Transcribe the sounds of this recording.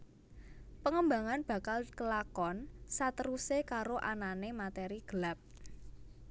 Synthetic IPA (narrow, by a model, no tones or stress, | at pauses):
pəŋəmba̤ŋanb̥ä̤kalkəlakɔnsat̪əɾusekaɾoʔananemat̪eɾiɡ̥əlap̚